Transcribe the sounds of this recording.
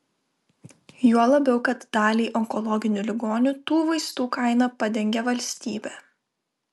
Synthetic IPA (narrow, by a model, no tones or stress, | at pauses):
juɔlˠɐbʲɛʊkɐt̪d̪ɑːlʲiːʔɔŋkɔlˠɔɡʲɪnʲʊlʲɪɡoːnʲʊt̪uːʋɐɪst̪uːkɐˑɪnɐpɐd̪ʲɛŋʲɡʲɛʋɐlʲsʲt̪ʲiːbʲɛː